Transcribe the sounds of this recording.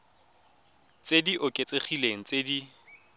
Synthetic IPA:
t͡sʼediʔʊkʼet͡sʼeχileŋ̩t͡sʼedi

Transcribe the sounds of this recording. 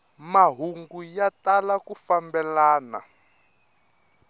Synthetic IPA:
maɦuŋɡujatalakufambɛlaːna̰

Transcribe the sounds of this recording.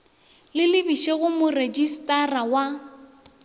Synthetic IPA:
lɪlɪbiʃeɣʊmʊred͡ʒistʼarawa

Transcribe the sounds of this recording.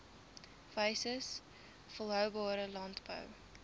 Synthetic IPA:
vəjsəs | fɔlˠɦœwbɑːɾəlɑntbə̰w

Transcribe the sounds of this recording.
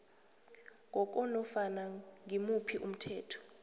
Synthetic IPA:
ŋʱɔk̬ʼɔnɔfanaŋimupʰiʔum̩tʰɛːtʰɔ̥

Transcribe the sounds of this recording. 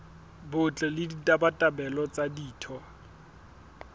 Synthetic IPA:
bʊt͡ɬʼɛlɪditʼabatʼabɛlɔt͡sʼadiːtʰɔ

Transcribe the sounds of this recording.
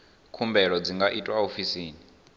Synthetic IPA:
kʰumbɛɺɔd͡ziŋɡaʔitʼwaofisiːni

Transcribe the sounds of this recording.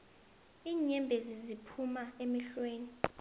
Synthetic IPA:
iːɲɛmbʱezizipʰumaemiɬweːni

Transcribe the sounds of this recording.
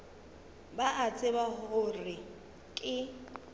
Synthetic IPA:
baʔat͡sʼɪbahʊrɪ | kʼɪ

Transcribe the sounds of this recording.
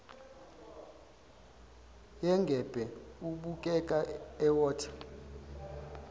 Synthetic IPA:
jɛŋɡʱɛb̥ʱɛuɓukʼɛkʼaɛwɔːtʰḁ

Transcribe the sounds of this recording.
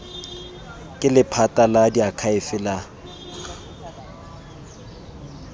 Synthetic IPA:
kʼɪlɪpʰatʼaladiakʰaɪfɪla

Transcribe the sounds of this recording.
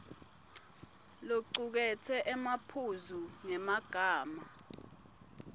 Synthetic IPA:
loǀuk̬ɛtʰɛʔɛmapʰuzunɛmaɡ̥ʱaːma

